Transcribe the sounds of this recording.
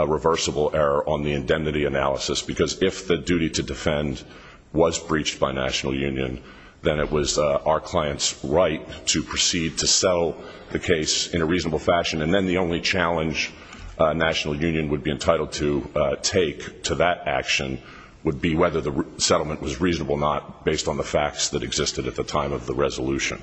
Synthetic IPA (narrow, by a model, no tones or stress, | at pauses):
əɹəvɜ˞səbl̩ˠɛɹə˞ʔə̃nðiɨ̃ndɛ̃mnɨɾiɨnælˠəsɨsb̥ɨkʰʌzɪfðɨdʉɾiɾɨdɨfɛ̃n | wʌzbɹit͡ʃb̥aɪnæ̰ʃn̩l̩ˠjʉ̃njɨ̰̃n | ðɨ̃ñɨʔ̚wʌzaʊə˞kʰl̥aɪɨ̃ntsɹaɪtʰɨpʰɹ̥ɨsid̚tʰɨsɛɾl̩ˠ | ðɨkʰeɪsɨ̃ñɨɹiznəbl̩ˠfæʃɨ̃nɨ̃nðɨ̃nðiõʊ̃nlit͡ʃʰælˠə̃nd͡ʒ | næʃn̩l̩ˠjʉ̃njɨ̃nwəd̚biɨ̃ntʰaɪɾl̩ˠd̚tʰɨtʰeɪktʰɨðɨɾæ̰kʃɨ̰̃n | wəd̚biwɛðə˞ðɨsɛɾl̩ˠmə̃nʔwʌzɹiznəbl̩ˠnət̚b̥eɪstn̩ðəfæk̚tsðɨɾɨɡzɪstɨɾɨt̪̚ðɨtʰãɪ̃mʌvðəɹɛzəlʉʃɨ̰̃n